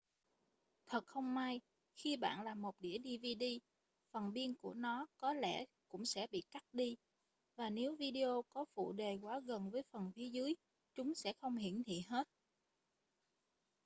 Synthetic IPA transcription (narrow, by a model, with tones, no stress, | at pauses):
t̪ʰə˨˩t̚xə˧wŋ͡mmaː˧j | xi˧ɓa̰ː˧˨nlaː˨˩mo˨˩t̚ɗi˧˩əɗi˧vi˧ɗi˧ | fə˨˩nɓi˧ənku˧˩ənɔ˨˦kɔ˨˦lɛ̰˧˩kʊ̰˧˥ŋ͡msɛ̰˧˥ɓḭ˧˨ka˦˥t̚ɗi˧ | vaː˨˩ne˨˦wvi˧ɗi˧ʔo˧kɔ˨˦fṵ˧˨ɗe˨˩kwaː˨˦ɣə˨˩nvəː˨˦jfə˨˩nfi˨˦əzɨ˨˦j | t͡ɕʊ˨˦ŋ͡msɛ̰˧˥xə˧wŋ͡mhḭ˧˩˨ənhḭ˧˨ɦe˦˥t̚